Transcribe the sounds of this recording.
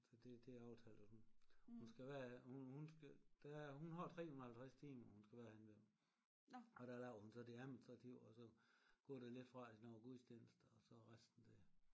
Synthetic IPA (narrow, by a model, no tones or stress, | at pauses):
sɒd̥e̝d̥e̝ɑ̈ʊt͡sʰælˠsunhhunsɡ̥æʋæːɐhunhunsɡ̥d̥æɦunɦɑ̈t͡sʰʁɛ̰ːhunɐhælt͡sʰʁast͡sʰiːmɐhunsɡ̥æʋæːɐhenʋe | ɒ̽d̥ælɑʊ̰hunsɒ̽d̥e̝æðˠminisd̥ʁɑ̈t͡sʰiʊ̰ɒsɒ̽ɡ̥ɔ̰ːd̥ele̝d̥fʁɑ̈enɒ̰ɡ̥uðˠsd̥jenəsd̥əɒsɒ̽ʁasd̥n̩d̥e